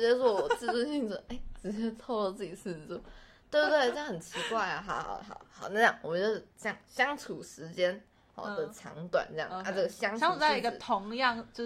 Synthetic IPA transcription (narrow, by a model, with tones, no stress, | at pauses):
t͡ɕɥɛ˧˥˩wɔ˥˧˩wɔ˨˩t͡sɹ̩˥˧u˥˧ɕi˥˩ŋɔ˧˥˩e˥˩ɪʈ͡ʂɻ̩˧˥t͡ɕɛ˥t͡sʰo˥˧ʊlə˧t͡sɹ̩˥˩i˨˩ʂ̩˥˩˥u˥˩t̪we˥˩˥t̪we˥˩˥xə˨˩nt͡ɕʰi˧˥kwa˥˩ɪa˨˩xɑ̰˨˩˦xɑ̰˨˩ʊxɑ̰˨˩˦ʊxɑ˨˩ʊna˥˧˩jɑ˥˩ŋwɔ˨˩t͡ɕɥɛ˧˥˧ʂ̩˥˩ɕjɑ˥˩ŋɕjɑ˥ŋt͡sʰu˨˩ʂɻ̩˧˥t͡ɕjɛ˥n | ɑ̰˨˩d̪ə˨˩ʈ͡ʂʰɑ̰˧˥ŋt̪wa̰˨˩˦nʈ͡ʂɤ˥˧jɑ̰˥˩˨na˥˧ʈ͡ʂɤ˥˩ɡə˩ɕjɑ˥ŋɑ˥uu˨˩t͡sa˥˩˥i˧˥ɡə˧˨t̪ʰʊ˧˥ŋjɑ˥˧˨ŋt͡ɕ